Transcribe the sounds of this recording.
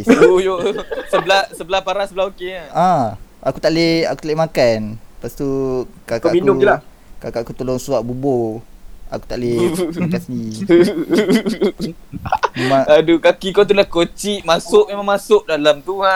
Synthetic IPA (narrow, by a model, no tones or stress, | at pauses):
ujosəbəlahsəbəlahpaɾasəbəlaɦokeəãakut̪aʔlea̰kut̪alemakanpast̪ukakikudoila | kakaʔkut̪oloŋsuaʔbubo | a̰ku̥t̪aʔlemakansini | memãŋadukakikot̪ulahkot͡ʃiʔmasʊʔmemãŋmasʊʔdalamt̪ua